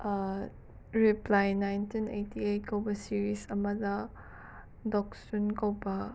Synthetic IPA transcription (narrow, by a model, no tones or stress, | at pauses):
ɾiplajnajntinejtʰiejt̚kɐwbɐsiɾisɐmɐdɐ | dɔk̚sunkɐwbɐ